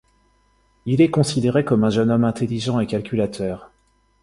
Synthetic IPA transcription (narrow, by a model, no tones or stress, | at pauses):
ilɛkɔ̃sid̪eʁekɔmɛ̃ʒənɔmɛ̃t̪eliʒɑ̃ekʲalkʲylat̪ʰœːʁ